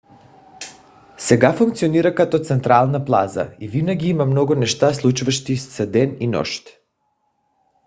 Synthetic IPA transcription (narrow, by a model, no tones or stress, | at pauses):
sɛɡafuŋk̚t̪sioniɾakat̪ɔt̪sɛnt̪ɾalˠnaplˠa̰za̰ivinaɡiimamnɔɡunɛʃt̪aslˠut͡ʃuvaʃt̪issɛd̪ɛninɔ̰ʃt̪